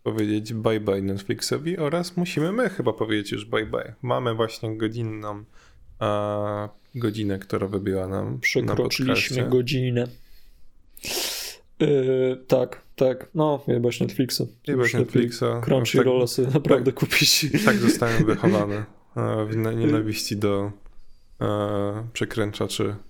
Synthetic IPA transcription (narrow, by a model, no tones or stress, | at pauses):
pɔvʲjed͡ʑed͡ʑbajbajnɛt̪fʲlʲiksɔvʲiʔɔɾasmuɕimɘmɘxɘbapɔvʲjed͡ʑet͡ɕjṵʐbajba̰jma̰mɘvwaɕɲɛɡɔd͡ʑinːɔ̃m | ɡɔd͡ʑinɛkt̪uɾavɘbʲiwana̰mpʂɛnkaɾɔpɔtt͡ʂ̪ɘklʲiaɕmɘɛɡɔd͡ʑinɛ | t̪akt̪aknɔɛbaɕnɛt̪fʲlʲiksuɛbanɛt̪flʲiksakɾɔ̃nʂiɾɔlɛsɛbnapɾavd̪ɛkupʲit͡ɕt̪aɡzɔst̪awɛvɘxɔvanɛ | vɲɛnavʲiɕt͡ɕid̪ɔ | pʂɛkɾɛnt͡ʂat͡ʂɘ̰